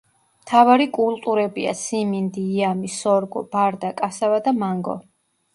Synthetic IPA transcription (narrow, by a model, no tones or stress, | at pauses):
mt̪ʰavaɾikʼulˠt̪ʼuɾɛbia̰simind̪iːamisɔɾɡɔ̰b̥aɾd̪akʼasavad̪amaŋɡɔ̰